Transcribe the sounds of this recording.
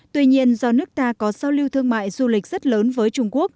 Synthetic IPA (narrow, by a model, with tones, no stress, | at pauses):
t̪wi˧ɲi˧ənzɔ˧nɨ˦˥ək̚t̪aː˧kɔ˨˦saː˧wli˧wt̪ʰɨ˧əŋma̰ː˧˨jzu˧lï˨˩k̟̚z̥ə˦˥t̚ləː˨˦nvəː˨˦jt͡ɕʊ˧ŋ͡mku˦˥ək̚